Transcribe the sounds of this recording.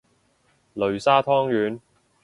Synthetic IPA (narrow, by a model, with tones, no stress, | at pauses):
lɵ˨ɥsaː˥t̪ʰɔː˥ŋjyː˨˧n